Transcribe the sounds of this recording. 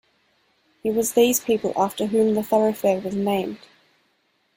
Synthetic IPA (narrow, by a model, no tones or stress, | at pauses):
hiwɒzðiːz̥pʰiˑpə̰lˠʔɑˑftəɦʉ̃ːmðəθʌɹəʊfɛwʌznẽɪ̃md̥